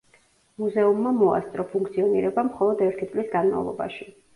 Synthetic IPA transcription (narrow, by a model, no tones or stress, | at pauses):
muzɛumːamɔa̰st̪ʼɾɔpʰuŋkʰt̪sʰiɔnḭɾɛbamχɔlˠɔd̪ɛɾt̪ʰit̪sʼlisɡanma̰vlˠɔ̰ba̰ʃi